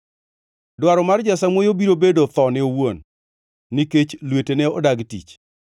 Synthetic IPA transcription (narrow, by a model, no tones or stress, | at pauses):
dwaɾɔmard͡ʒasamwojobiɾobedot̪ɔnɪowonː | iket͡ʃlweteneɔdaɡtḭt͡ʃ